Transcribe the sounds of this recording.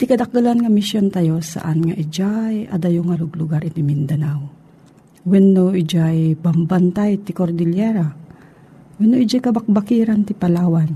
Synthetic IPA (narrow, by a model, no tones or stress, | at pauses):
t̪ɪkɐd̪ɐk̚d̪ʊlanŋamɪsjont̪ajosa̰ʔanŋaʔɪd͡ʒajɐd̪ajʊŋalʊɡlʊɡaɾɪt̪ɪmɪnd̪ɐnaw | wɛnːoʔɪd͡ʒajbambant̪ajt̪ɪkoɾd̪ɪljɛɾa | wɛnːoʔɪd͡ʒajkɐbak̚bakiːɾant̪ɪpalaːwan